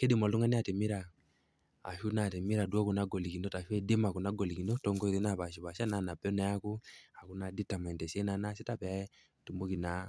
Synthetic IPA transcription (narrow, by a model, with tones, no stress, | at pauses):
ke˦di˦˨ma˨lu˦ŋa˦ni˦a˨te˨mi˦ɾa̰ː˨ | ʃu˦na˨te˨mi˦ɾa˨dwɔ˦ku˨na˦ɡɔ˨li˨ki˨no˦ta˨ʃu˦ɛ˦de˦ma˨ko˨na˦ɡɔ˨li˨ki˨no˦tɔ˨ŋɡɔ˦i˨ðe˦na˨βa˨ʃi˨βa˨ʃa˦na˨na˨pɛ˦na˦ja˦ku˦a˨ku˦na˨di˦ta˨mɛ˨ntɛ˨se˦na˦na˦si˦ta˦pɛ˨a˦ɛ˦ | tu˨mo˦ki˨na˨˦